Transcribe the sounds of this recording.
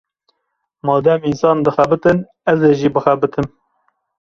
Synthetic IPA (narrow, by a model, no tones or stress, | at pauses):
mɑːd̪ɛminsɑːnd̪ɨxæbɨt̪ɨn | ɛzeːʒiːbɨxɛbɨt̪ʰɨm